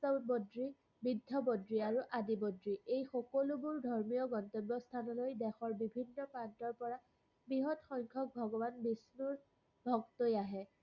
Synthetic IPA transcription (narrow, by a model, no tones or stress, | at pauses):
ɔbodɹi | bidʱːɔbodɹiaɹuʔadibodɹiʔejxɔkolubʊɹdʱɔɹmijɔɡɔntɔbːɔst̪ʰanɔlojdɛxɔɹbibʱinːɔpɹantɔɹpɔɹa | bɹiɦɔdxɔŋkʰɔk̚bʱɔɡɔbanbisnuɹ | bʱɔktojaɦɛ